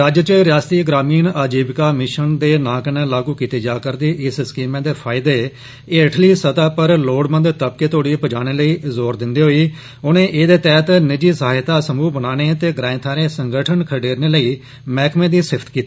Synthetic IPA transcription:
ɾaːd͡ʒt͡ʃəɾjaːst̪iːɡɾaːmiːnaːd͡ʒiːbkaːmɪʃənd̪eːnãːkənẽːlaːɡuːkiːt̪eːd͡ʒaːkəɾd̪iːʔɪsskiːmẽːd̪eːpʰaːɪd̪eː | eːəʈʰliːsət̪aːpəɾloːɽmə̃nd̪t̪əb̚keːt̪oːɽiːpəd͡ʒaːneːləiːzoːɾd̪ɪnd̪eːɦoːiː | ʊnẽːʔeːd̪eːt̪ɛːt̪nɪd͡ʒiːsəɦaːɪt̪aːsəmuːbənaːneːt̪eːɡɾãːɪ̃t̪ʰaːɾẽːsəŋɡəʈʰənkʰəɖeːɾneːləiː | mɛːkʰmẽːd̪iːsɪpʰt̪kiːt̪iiː

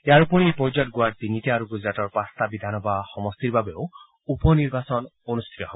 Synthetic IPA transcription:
eaɾupuɽ̃ipɔd͡ʒɔʈɡuaɖ̚d̪initiaɾuɡud͡ʒɾatɔɾpast̪abid̪ʱanɔbaxɔmɔst̪iɾbabeo̰ | upɔniɾbasɔnonust̪ʰi̥t̪ɔɦebɔ

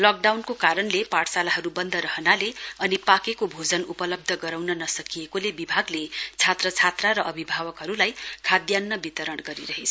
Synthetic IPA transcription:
lʌk̚ɖawnkokaɾʌnlepaʈsalaɦʌɾubʌnd̪ʱʌɾʌɦʌnaleʌnipakekobʱod͡zʌnupʌlʌb̚d̪ʱʌɡʌɾawnʌnʌsʌkijekolebibʱaɡlet͡sʰat̪rʌt͡sʰat̪raɾʌʔʌbʱibʱawʌkɦʌɾulajkʰad̪janːʌbit̪ʌɾʌɽɡʌɾiɾʌɦet͡sʰ

